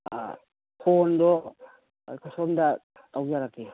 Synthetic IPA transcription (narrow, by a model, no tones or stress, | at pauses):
pʰondɔ̰ | kʰɔsɔnda | tawɡijaɾakːe